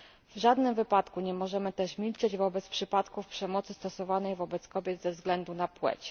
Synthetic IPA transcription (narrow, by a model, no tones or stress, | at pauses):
vʐad̪nɘmvɘpat̪kuɲɛmɔʐɛmɘt̪ɛʂmʲilt͡ʂɛd͡ʑvɔbɛt̪spʂɘpat̪kufpʂɛmɔt̪sɘst̪ɔsɔvanɛjvɔbɛt̪skɔbʲjɛd̪zɛvzɡlɛnd̪unapwɛ̰t͡ɕ